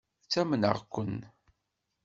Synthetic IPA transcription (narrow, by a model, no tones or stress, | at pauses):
t͡sːæmnə̰ʁkʷːən